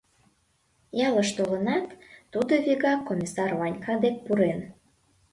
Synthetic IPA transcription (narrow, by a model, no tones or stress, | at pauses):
jɑləʃt̪olənɑt̪ːud̪oβiɣɑkːomʲisɑrvɑnʲkʰɑd̪ek̚puɾen